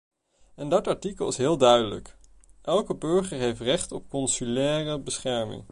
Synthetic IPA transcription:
ɛndɑtɑɹtikəlˠɪsɦɪːlˠdœɥdələ̰k | ʔɛlˠkəbɵɹχəɹɦejftrɛχtɔp̚kɔnsylɛːrəbəsχɛɹmɪ̰ŋ

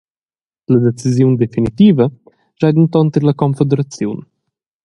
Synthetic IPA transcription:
lɐd̪et͡sizjund̪efinit̪iːvɐ | ʒad̪int̪ɔnt̪əɾlɐkɔmfed̪uɾɐt͡sjun

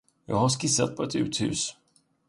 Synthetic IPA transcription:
jɑ̰ːɡhaskɪsːa̰t̪̚pʰɔɛt̪ʉ̟ːt̪hʉ̟̰ːs

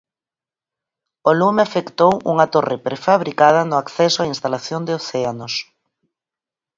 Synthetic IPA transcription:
olumeafekt̪owṵŋɐt̪orepɾefaβɾikað̞ɐnʊakθɛsoainst̪alaθjond̪ɪoθɛanos

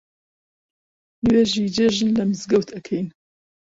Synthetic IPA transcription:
weʒid͡ʒeʒɨnlɐmɨzɡɐwt̪ʰɐkʰɛjn

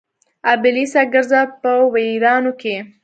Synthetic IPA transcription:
abɪlisaɡaɾzapəwaiɾɑnoke

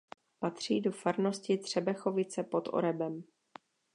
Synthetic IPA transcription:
pat̪r̝̥iːdo̞faɾno̞scɪt̪r̝̥ɛbɛxo̞vɪt͡sɛpo̞t̪ʔo̰ɾɛbɛm

